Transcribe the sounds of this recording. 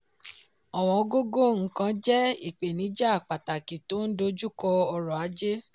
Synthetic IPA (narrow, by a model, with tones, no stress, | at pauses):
ɔ˨w̃ɔ̃˧˦ɡo˦ɡo˦˨ŋ̩˦kã˦˧d͡ʒɛ˦i˦˨k͡pe˨nĩ˨˦d͡ʒa˦a˨k͡pa˨ta˨ki˨to˨˦n̩˦do˧d͡ʒu˦˨kɔ˧ɔ˧ɾɔ˨a˨˦d͡ʒe˦